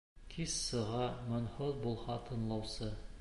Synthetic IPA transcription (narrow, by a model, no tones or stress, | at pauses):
kʰissɤ̆ʁɑmɤ̆nhɤðbulˠhɑt̪ʰɤ̆nlˠɑwsɤ